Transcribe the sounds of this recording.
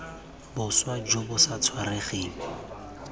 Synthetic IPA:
bʊswad͡ʒobʊsat͡sʰwareχiːbɛ

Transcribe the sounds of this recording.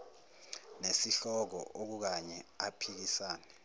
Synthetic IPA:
nesiɬɔk̬ɔ̰ʔok̬uk̬aɲɛapʰik̬isaːnɛ

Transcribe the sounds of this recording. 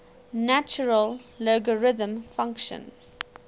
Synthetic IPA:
nat͡ʃəɹəlloɡəɹɪðə̃mfãŋkʃə̰̃n

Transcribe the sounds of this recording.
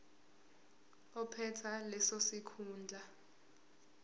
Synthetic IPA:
ɔpʰɛtʰalɛsosikʰuːnd͡ɮʱa

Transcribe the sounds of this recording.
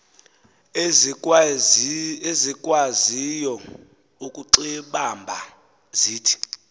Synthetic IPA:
ezikʼwazijɔ | ukʼuǃiɓambʱa | ziːtʰi̥

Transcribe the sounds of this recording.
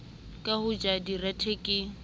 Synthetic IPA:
kʼahʊd͡ʒadiratʰekʼɪ

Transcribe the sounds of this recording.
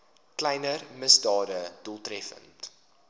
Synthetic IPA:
klɛjnərməsdɑːdəd̥ulˠtrɛfə̰nt

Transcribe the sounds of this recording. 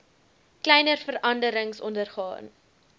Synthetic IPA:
klɛjnərfəɾɐndəɾəŋsɔndərχɑ̰ːn

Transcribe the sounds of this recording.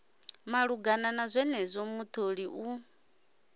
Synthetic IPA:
maɺuɡananazʷɛnɛzʷomut̪ʰoɺiʔu

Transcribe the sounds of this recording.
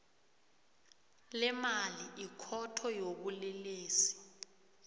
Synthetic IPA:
lɛmaliʔikʰɔtʰɔjok̬ulɛleːsi̥

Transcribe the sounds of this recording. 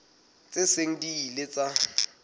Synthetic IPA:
t͡sʼeseŋ̩diːlet͡sʼa

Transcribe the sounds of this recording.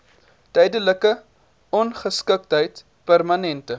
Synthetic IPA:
tɛjdələkə | ɔnχəskək̚tɦəjt | pərmɐnɛntə

